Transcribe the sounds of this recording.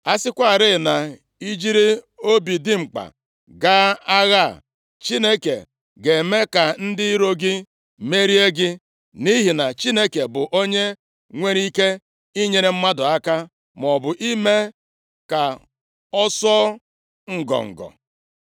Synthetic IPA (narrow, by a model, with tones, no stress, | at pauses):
a˦sɪ˦kʷa˦˨ɾɪ˦˨na˨ | i˦d͡ʒi˦ɾi˦ | o˦bi˨dɪ˦ŋ͡m̩˨k͡pa̰˨ | ɡa˦a˦ɣa˦˨ | t͡ʃi˦ne˦kḛ˨ | ɡe˨me˦ka˨n̩˦dɪ˦ɾo˦ɡɪ˦ | me˦ɾi˦e˦ɡɪ˦ | ni˦ɦi˨na˨t͡ʃi˦ne˦ke˨bʊ˨ʔo˦ɲe˦ | ŋʷe˦ɾi˦ke˦ | i˦ɲe˨ɾe˨m̩˦ma˦dʊ˨a˦ka˦ | m˨ɔ˨bʊ˨ʔi˦me˦ | ka˨ | ɔ˦sɔ˦ | ŋ̩˨ɡɔ̰˨ŋ̩̰˨ɡɔ̰˨